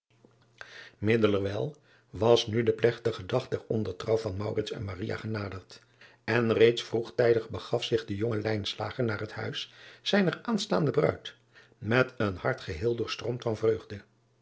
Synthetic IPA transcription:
mɪdələɹʋɛlˠ | ʋɑsnydəplɛχtəχədɑχ̚dɛɹɔndəɹtrɑwvɑnmʌwrɪtsɛ̰nmarija̰ːχənaːdəɹt | ɛnrejtsfruχtɛjdəχbəχɑfsɪχdəjoŋəlɛjnsla̰ːχəɹnaːrɦəthœ̰ɥssɛjnəraːnstaːndəbrœ̰ɥt | mɛtənhɑɹtχəɦɪːlˠdʊːɹstrɔmtfɑnvrøɥχdə

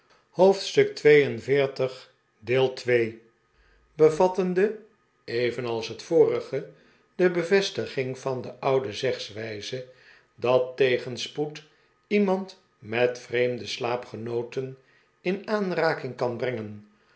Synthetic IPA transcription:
howftstɵk̚tʋejənvɪːɹtəχ | dɪːlˠtʋej | bəvɑtəndə | ejvənɑlˠsɦətfʊːrəχə | d̥əbəvɛstəχɪŋv̥ɑndəʔʌwdəzɛχsʋɛjzə | dɑtːejχənsput | imɑnt | mɛtfrejmdəslaːpχənowtən | ɪnaːnraːkɪŋkɑnbrɛŋən

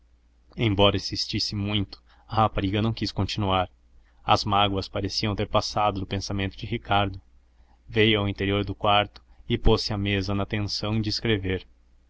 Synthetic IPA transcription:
ẽj̃bɔɾɐĩsist͡ʃisɪmũj̃t̪ʊ̥ | ɐhapaɾiɡɐnɐ̃w̃kiskõnt͡ʃinuaɾ | ɐ̰zmaɡwɐspaɾesiɐ̃w̃t̪eɾpasad̪ʊd̪ʊpẽsamẽnt̪ʊd͡ʒɪhikʰaɾd̪ʊ | vejʊawĩnt̪eɾioɾd̪ʊkwaɾt̪ʊ̥ɪposɪɐmezɐnɐt̪ẽsɐ̃w̃d͡ʒɪɪskɾeveɾ

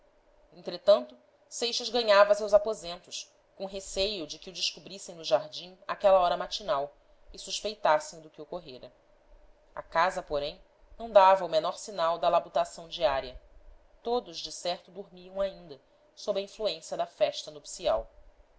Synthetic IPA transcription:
ẽt̪ɾet̪ɐ̃nt̪ʊ | sejʃɐzɡɐ̃ɲavɐsewzapozẽnt̪ʊʃ | kõɦesejʊd͡ʒɪkɪʊd͡ʒɪʃkubɾisẽj̃nʊʒaɾd͡ʒĩakɛlɐɔɾɐmat͡ʃinaw | ɪsuʃpejt̪asẽj̃d̪ʊkɪokoɦeɾɐ | a̰kazɐpoɾẽj̃ | nɐ̃w̃d̪avɐumenɔɾsinawd̪ɐlabut̪asɐ̃w̃d͡ʒiaɾiɐ | t̪od̪ʊʒd͡ʒɪsɛɾt̪ʊd̪uɾmiɐ̃w̃aĩnd̪ɐ | sobɾɐĩfluẽsiɐd̪ɐfɛʃt̪ɐnopsia̰w

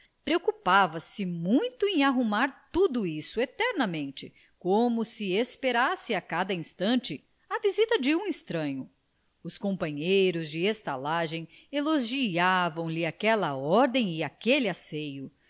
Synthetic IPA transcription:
pɾeokupavɐsɪmũj̃t̪ʊẽj̃aɦumaɾt̪ud̪ʊisʊet̪ɛɾnɐmẽnt͡ʃɪ | kõmʊsɪespeɾasɪakad̪ɐĩst̪ɐ̃nt͡ʃɪ | ɐvizit̪ɐd͡ʒɪũĩst̪ɾɐ̃ɲʊ | ʊskõpɐ̃ɲejɾʊzd͡ʒɪest̪alaʒẽj̃ | eloʒiavɐ̃w̃lɪakɛlɐɔɾd̪ẽj̃ɪakelɪasejʊ

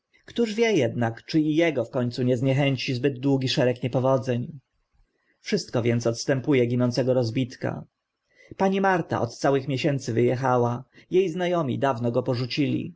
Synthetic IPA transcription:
kt̪uʐvʲjɛjɛd̪nakt͡ʂɘijɛɡɔfkɔɲʲt̪suɲɛzɲɛxɛɲt͡ɕizbɘd̪̚d̪wuɡʲiʂɛɾɛkɲɛpɔvɔd̪zɛɲ | fʂɘst̪̚kɔvʲjɛnt̪sɔt̪st̪ɛmpujɛɡʲinɔnt̪sɛɡɔɾɔzbʲit̪ka̰ | paɲimaɾt̪a̰ʔɔt̪t̪sawɘxmʲjeɕɛnt̪sɘvɘjɛxawajejznajɔmʲḭd̪avnɔɡɔpɔʐut͡ɕilʲḭ

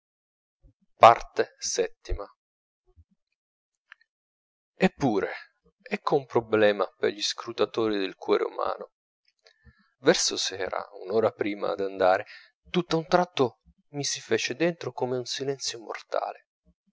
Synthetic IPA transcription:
part̪esɛt̪ːima | epːuːɾe | ɛkːoumpɾoblɛːmapḛrʎiskɾut̪at̪oːɾid̪elkwɔːɾʔḛṵma̰ːno | vɛrsosɛːɾa̰ṵnoːɾapɾiːma̰d̪and̪aːɾe | t̪ut̪ːaunt̪ɾat̪ːo | misifɛːt͡ʃed̪ent̪ɾokomeunsilɛnt̪sjomo̰rt̪a̰ːle

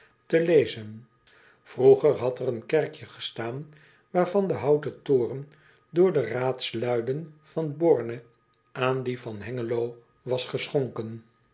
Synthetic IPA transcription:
təlejzən | v̥ruχəɹɦɑtərənkɛɹkjəχə̥staːn | ʋaːɹvɑndəɦɑwtətʊːrən | dʊːɹdəraːtslœɥdənv̥ɑnbɔɹnə | ʔaːndivɑnɦɛŋəlow | ʋɑsχəsχoŋkən

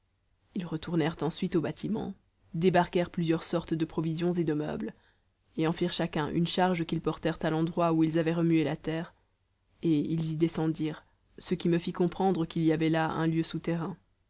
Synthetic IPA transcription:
ilʁət̪uʁnɛʁt̪ɑ̃sɥit̪obat̪ʰimɑ̰̃ | d̪ebaʁkɛʁplyzjœʁsɔʁt̪d̪əpχɔvizjɔ̃zed̪əmœ̰bl | eɑ̃fiʁʃakʲɛ̃ʔy̰nʃaʁʒkʲilpɔʁt̪ɛʁt̪alɑ̃d̪ʁwauilzavɛʁəmyelat̪ɛːʁ | eilzid̪esɑ̃d̪iːʁ | səkʲiməfikɔ̃pχɑ̃d̪ʁəkʲilijavɛlaɛ̰̃ljøsut̪ɛʁɛ̃

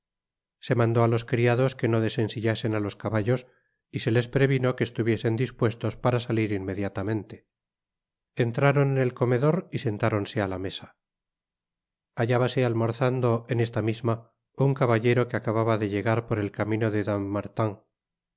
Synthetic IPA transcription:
se̞mãnd̪o̞alo̞skɾiaðo̞ske̞no̞ðe̞se̞nsiʎase̞nalo̞skaβaʎo̞s | ise̞le̞spɾe̞βino̞keːst̪uβje̞se̞nd̪ispwe̞st̪o̞spaɾasaliɾinmːe̞ðjat̪amẽ̞nt̪e̞ | e̞nt̪ɾaɾo̞nene̞lko̞me̞ðo̞ɾise̞nt̪aɾo̞nse̞alame̞sḁ | aʝaβase̞almoɾθand̪o̞ene̞st̪amizma | uŋkaβaʝe̞ɾo̞keakaβaβaðe̞ʎe̞ɣ̞aɾpo̞ɾe̞lkamĩno̞ðeðamːaɾt̪aŋ

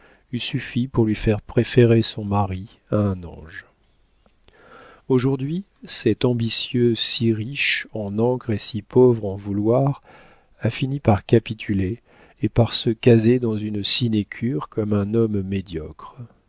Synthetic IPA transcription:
ysyfipuʁlɥifɛʁpχefeʁesɔ̃maʁi | aɛ̃nɑ̰̃ʒ | oʒuʁd̪ɥi | sɛt̪ɑ̃bisjøsiʁiʃɑ̃nɑ̃kʁesipovʁɑ̃vulwaʁ | afinipaʁkapit̪ʰyleː | paʁsəkazed̪ɑ̃zynsinekʲʰyʁkɔmɛ̃nɔmːed̪jɔkχ

